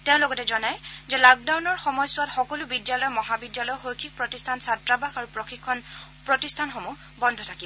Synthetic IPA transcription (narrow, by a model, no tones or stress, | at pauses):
teʊ̃lɔɡɔtɛzɔnajzɛlɔk̚dawnɔɹxɔmɔjsʊwatxɔkɔlʊbidijalɔjmɔɦabidjalɔjxojkʰik̚pɹɔtistʰansatɹabaxaɹupɹɔxikʰːɔn | pɹɔtistʰanxɔmu | bɔndʱɔtʰakib